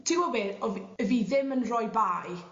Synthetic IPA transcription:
tʰiwɔweɔvəviːðɪmənrɔjbaːj

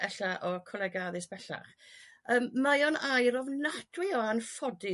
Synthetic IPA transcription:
ɛɬaʔɔkʰɔlɛɡaðɨsb̥ɛɬa̰χəːmmajɔnajɾɔvnatʰwɪɔanfɔdɪ

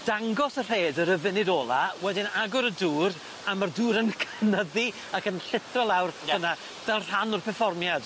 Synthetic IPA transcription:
d̥aŋɡɔsər̥eːdəɾəvɪnɪdoːlˠawɛdɪnaɡʊɾəduːɾ | amarduːɾənkʰənəði | akənɬɪθrɔlˠawrɡ̥əna | ð̥ɛlˠr̥anʊrpʰɛrfɔrmjad̥

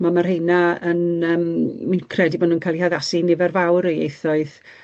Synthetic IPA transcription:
mamarhejnaənəːmminkʰrɛdibɔːdnunkʰajlˠihaðasinɪvɛrvawɾiḛjθɔɨð

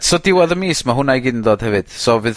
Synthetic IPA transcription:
sɔdɪwaðəmiːsmaɦʊnajɡɪndɔːd̥hɛvɨd̥sɔvɨð

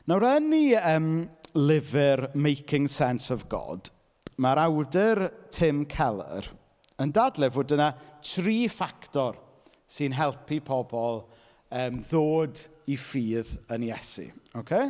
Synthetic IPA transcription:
nawɾəniəːmlɪvɪrmejkʰɪŋsɛnsɔvɡɔ̰d̥ | maɾawdɪrtʰɪmkʰɛlˠə̰r | əndadlˠɪvoːdənatʰriːfaktɔr | sɨnɦɛlˠpʰipʰɔbɔlˠ | əːmðoːdifiːðənjɛsḭokʰej

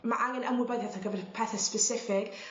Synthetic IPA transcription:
maʔaŋɛnəmɪbɛðaθaɡəvɛrpʰɛθɛspəsɪfɪɡ̥

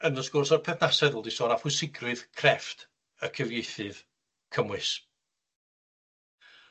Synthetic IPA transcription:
ənɔsɡ̥ʊrsɔrpʰɛθnasɛðʊlˠdisɔːɾafwɨsɪɡrɨðkʰrɛft | əkʰəvjejθɨð | kʰəmwɨs

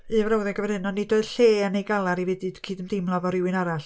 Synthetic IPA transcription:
ɨvrawðɛɡəvɛɾhɨnɔnːɪdoːɨð̥ɬeːənejɡalˠaɾividɨd̥kʰiːdəmdɪmlˠavɔɾɪwɨnaɾaɬ

